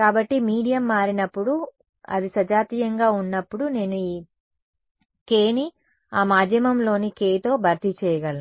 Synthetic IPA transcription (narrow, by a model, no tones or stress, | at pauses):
kaːbɐʈːimiːɽijɐmːaːɾinɐpːuɽu | ɐ̰d̪isɐd͡ʒaːt̪iːjɐŋɡaːunːɐpːuɽune̞ːnuiː | keːni | aːmaːd̪ʱjɐmɐmlo̞ːnikeːjt̪o̞ːbʱɐɾt̪it͡ʃɛːjɐɡɐl